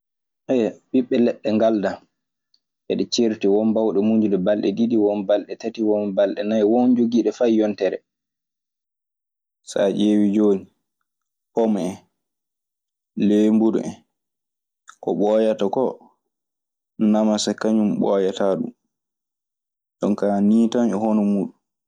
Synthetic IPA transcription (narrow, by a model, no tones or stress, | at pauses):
ʔɛɓiɓːɛlɛɗːɛŋɡalda | ʔɛ̰ɗɛt͡ʃeɾtiwɔnbawɗɛmuɲd͡ʒuɗɛbalɗɛ̰didiwɔnbalɗɛtatiwɔmbalɗɛnajwɔnd͡ʒoɡiːɗɛfajjɔntɛɾɛ̰ | sa̰d͡ʒewid͡ʒoːni | hɔmɛ | lembuɗṵɛ | kɔ̰ɓɔjatakɔ | namasakːaɲumɓɔjataɗṵm | ɗɔnkaːniːtanɛhɔnɔmuːɗum